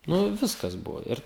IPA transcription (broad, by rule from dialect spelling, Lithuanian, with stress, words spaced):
ˈnʊ ˈʋʲɪskɐs ˈbʊʋoː ˈɪr